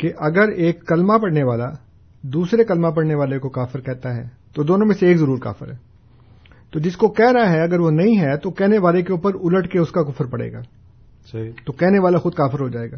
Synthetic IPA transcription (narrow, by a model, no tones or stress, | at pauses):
keʔɐɡəɾeːkːɐlmapɐɽneʋaːla | d̪uːsɾekɐlmap̬ɐɽneʋaːlekokaːfɪɾkɛɦt̪aɦɛ̰ | t̪od̪oːnõmẽseːkzɐɾuːɾka̰ːfɪɾɦɛː | t̪oːd͡ʒɪskokɛɦɾɐaɦɛɐɡəɾʋonɐɦĩɦɛt̪okɛɦneʋaːlekeuːpəɾʊləʈkeʊskakʊfəɾpɐɽḛːɡa̰ː | st̪okɛɦneʋaːlaxʊd̪̚kaːfɪɾɦod͡ʒaːeːɡaː